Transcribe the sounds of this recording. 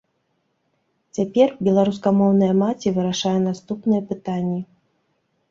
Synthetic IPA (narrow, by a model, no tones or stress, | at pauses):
t͡sʲapʲɛrbʲɛlˠaɾus̬kɐmɔwnɐjɐmat͡sʲivɨɾaʂajɛn̪ast̪upnɨjɐpɨt̪anʲːi